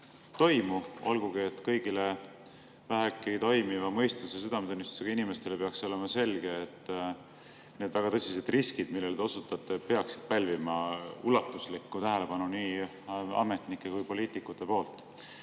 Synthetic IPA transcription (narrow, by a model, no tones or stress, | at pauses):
t̪o̞jmuo̞̰lɡ̥uɡ̥iet̪ːˑkɤjɡ̥ile | væɦekːˑijt̪o̞jmivɑmɤ̞jst̪usesyd̪ɑmet̪unːist̪u̥seɡ̥ɑinime̞st̪e̞lepeɑkso̞le̞mɑse̞lɡ̥e̞ːt̪ːˑ | ne̞ːd̪væɡ̥ɑt̪ɤsise̞d̪riskid̪̥milːe̞ld̪eo̞sut̪ːˑɑt̪ːˑepe̞ɑksi̥d̪̥̚pælʲvimɑulɑt̪ːˑuslikːut̪æɦele̞pɑnuniː | ɑ̰me̞t̪nikːˑe̞kujpo̞liːt̪ːˑikːˑut̪ːˑe̞po̞ːlt̪ˑ